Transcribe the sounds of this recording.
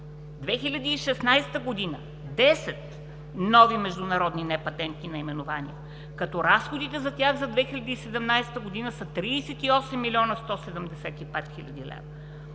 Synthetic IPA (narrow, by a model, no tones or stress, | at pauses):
d̪vɛxilʲɐd̪iːʃɛsnajst̪əɡod̪inə | d̪ɛsɛt̪ | nɔvimɛʒd̪ʊnɐɾɔd̪ninɛpɐt̪ɛnt̪inɐimɛnʊvanḭɛ | kɐt̪ɔɾasxod̪it̪ɛzɐt̪ʲaɣzɐd̪vɛxilʲɐd̪iːsɛd̪ɛmnajst̪əɡod̪inəsɐt̪ɾiːsɛt̪iɔsɛmːilʲiɔnɐst̪ɔsɛd̪əmd̪ɛsɛt̪ipɛt̪xilʲɐ̰d̪ilɛ̰vɐ